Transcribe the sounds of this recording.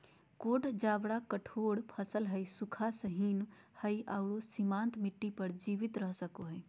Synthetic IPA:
koːʈd͡ʒaːbɽakəʈʰoːɽpʰəsəlɦəisʊkʰasəɦiːn | həiaʊɽosimãːnt̪mɪʈːipəɾd͡ʒiːʋɪt̪ɾəɦsəkoɦɛː

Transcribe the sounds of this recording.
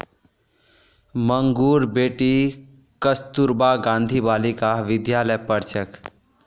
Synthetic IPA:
məŋɡuɾbeʈi | kəst̪uɾbaɡãnd̪ʱibalikaʋɪd̪jaləjpəɾt͡ʃʰək

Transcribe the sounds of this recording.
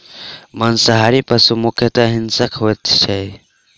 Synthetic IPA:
mənsəɦaɾipəsumukʰjət̪aɦinsəkɦojt̪t͡ʃʰɛj

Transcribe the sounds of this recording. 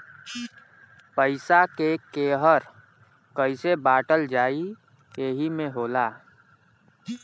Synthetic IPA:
pəɪsakekeːɦəɾ | kəɪsebaːʈəld͡ʒaːi | eɦimẽɦoːlaː

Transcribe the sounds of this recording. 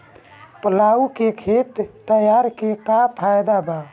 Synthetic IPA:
pəlaukekʰet̪ːəjaɾkekapʰajd̪aba

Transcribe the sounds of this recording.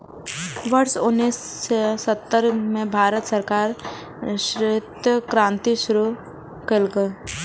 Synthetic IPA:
ʋəɾsʊnːiːssət̪ːəɾmẽbʱaːɾət̪səɾkaːɾ | ʃɾɪt̪əkɾãːnt̪iʃʊɾu | kelɡə

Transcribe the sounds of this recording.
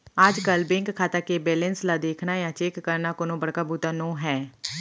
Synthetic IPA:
aːd͡ʒkəlbɪ̃ŋkkʰːaːt̪akebɛːlɛ̃nslad̪eːkʰnajãːt͡ʃeːkːəɾnakoːnõːbəɽkaːbuːt̪anõːɦɛː

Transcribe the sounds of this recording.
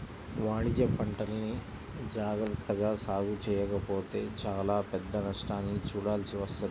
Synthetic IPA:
ʋaːɽid͡ʒɐpɐɳʈɐlɐni | d͡ʒaːɡɾɐt̪ːɐɡaːsaːɡut͡ʃɛːjɐkɐpo̞ːt̪e̞ːt͡ʃaːlaːpɛd̪ːɐnɐʂʈaːnːit͡ʃuːɽaːlsiʋɐst̪ɐ

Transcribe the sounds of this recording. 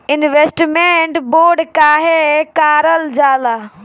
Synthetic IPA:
ɪnʋeːsʈmẽɳʈboːɖkaːɦekaːɾəld͡ʒaːlaː

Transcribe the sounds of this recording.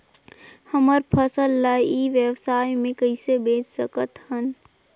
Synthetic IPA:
həməɾpʰəsəlːaiʋjeʋsaːjmẽkəɪsebeːt͡ʃsəkət̪hən

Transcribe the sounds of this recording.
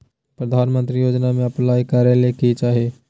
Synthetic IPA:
pɾɐd̪ʱaːnmə̃nt̪ɾijoːd͡ʒnamẽɐplaːjikaːɾjaləjkit͡ʃaːɦieː

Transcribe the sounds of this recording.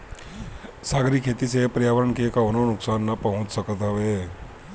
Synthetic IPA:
saːɡɾikʰːeːt̪isepɾjaːʋəɾəɳkekaʊnonʊksaːnːɐpəɦʊ̃t͡ʃsəkət̪ɦɐʋe

